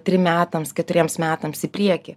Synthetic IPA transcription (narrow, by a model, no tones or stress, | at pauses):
t̪ʲɾʲɪmʲæːt̪ɐmskʲɛt̪ʊɾʲiɛmsmʲæːt̪ɐmsɪpʲɾʲiɛkʲɪ